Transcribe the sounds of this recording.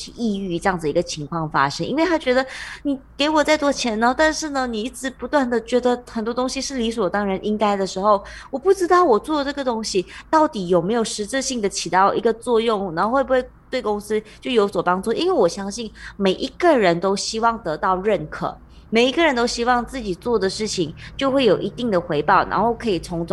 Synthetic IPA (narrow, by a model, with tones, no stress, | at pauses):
y˥˧i˥˧y˥˧ʈ͡ʂɤ˥jɑ˥˩ŋd͡z̩˩i˧˥ɡə˨t͡ɕʰi˧˥ŋkʰwɑ˥˩ŋfa̰˥ʂə˧˥ŋʔḭ˥nwe˥˩ɪt̪a˥t͡ɕɥɛ˧˥d̪ə˧ni˨˩ke˧˥ɪwɔ˨˩t͡sa˥˩ɪt̪wɔ˥t͡ɕʰjɛ˧˥nə˧˥t̪a˥˧nʂɻ̩˥˩nə˩ni˨˩i˥˩ʈ͡ʂɻ̩˧˥pu˧˥t̪wa˥˩nd̪ə˨t͡ɕɥɛ˧˥d̪ə˧xə˨˩nt̪wɔ˥t̪o˥ŋɕi˧ʂɻ̩˥˩li˧˥su˨˩ɔ˨˩t̪ɑ˥ŋɻə˧˥nʔi˦˥ŋka˥ɪd̪ə˨ʂɻ̩˧˥xo˥˩ʊ | wɔ˨˩pu˥˩ʈ͡ʂɻ̩˥t̪ɑ˥˩ʊwɔ˨˩t͡swɔ˥˩də˧˩ʈ͡ʂɤ˥˩ɡə˩t̪o˥ŋɕi˨t̪ɑ˥˩ʊt̪i˨˥jo˨˩ʊme˧˥ɪjo˨˩ʊʂɻ̩˧˥ʈ͡ʂɻ̩˥˧ɕi˥˩ŋd̪ə˩t͡ɕʰi˨˩t̪ɑ˥˩ʊʔi˧˥ɡə˧t͡swɔ˥˧jʊ˥˩ŋ˩na˧˥˧xwe˥˩bu˧xwe˥˩ɪt̪we˥˩ɪkʊ˥ŋsɹ̩˥t͡ɕjo˥˩ʊjo˧˥ʊswɔ˨˩pɑ˥ŋʈ͡ʂu˥˩ʔḭ˥nwe˥˩ɪwɔ˨˩ɕjɑ˥ŋɕi˥˩nme˨˩ɪʔi˧˦˥ɡə˨ɻə˧˦nt̪o˥ʊɕi˥wɑ˥˩ŋt̪ɤ˧˥t̪ɑ˥˧ʊɻə˥˩nkʰɤ̰˨˩ | me˨˩ɪi˧˥ɡə˨ɻə˧˦nt̪o˥ʊɕi˥wɑ˥˧ŋt͡sɹ̩˥˩t͡ɕi˨˩t͡swɔ˥˩d̪ə˩ʂɻ̩˥˩t͡ɕʰi˨ŋt͡ɕjo˥˧ʊxwe˥˩jo˨˩ʊʔi˧˥t̪i˥˩ŋd̪ə˩xwe˧˥ɪpɑ˥˩ʊna̰˧nxo˥˩ʊkʰɤ˧˥i˨˩t͡sʰʊ˧˥ŋt͡s